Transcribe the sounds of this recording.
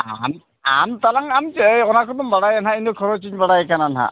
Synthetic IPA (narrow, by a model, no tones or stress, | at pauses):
am | a̰nt̪alaŋamjɔnakʰɔt̪ɔmbaɽajanɦaint̪ukʰɔɾɔt͡ʃiɲbaɽajɛkʰanana̰